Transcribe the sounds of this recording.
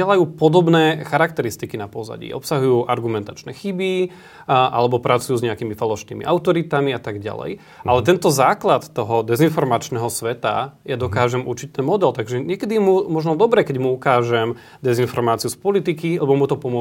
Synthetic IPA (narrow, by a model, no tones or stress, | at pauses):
ɛlajuːpɔd̪ɔbnɛːxaɾak̚t̪ɛɾist̪ikinapɔza̰ɟḭʔɔ̰psaɦujuːʔaɾɡumɛnt̪at͡ʃnɛxibi | ʔa̰lɛbɔpɾat͡sujuːzɲɛakimifalɔʃnḭːmḭʔaʊt̪ɔɾit̪amiat̪aɡɟa̰lɛ̰j | alɛt̪ɛnt̪ɔzaːklat̪ːɔɦɔd̪ɛzinfɔɾmat͡ʃnɛːɦɔsʋɛt̪a̰jad̪ɔkaːʒɛmṵɾt͡ʃic̚t̪ɛnmɔd̪ɛlt̪aɡʒɛɲɪɛkɛd̪iɛmumɔʒnɔd̪ɔbɾɛkɛɟmuukaːʒɛm | d̪ɛzinfɔɾmaːt͡siuspɔlit̪ikilɛbɔmut̪ɔpɔmʊɔ